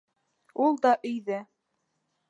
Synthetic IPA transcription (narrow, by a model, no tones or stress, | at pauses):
ulˠd̪ɑʔɵ̆jðɘ